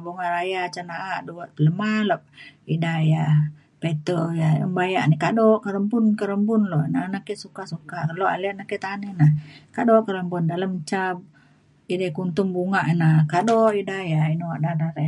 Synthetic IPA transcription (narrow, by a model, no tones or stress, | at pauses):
buŋaʔɾajat͡ʃanaʔaʔduwaʔt̪ələmalop̚idaja | pet̪ojaə̰mbajaʔnikadɔʔkəɾəmbunkəɾəmbʊnloʔnanakesukasukakəloʔa̰laʔnaket̪anənahkadɔʔkəɾəmbʊndaləmt͡ʃab̚ | idakunt̪ʊŋbuŋaʔnakadɔʔidajainuwaʔdadaɾe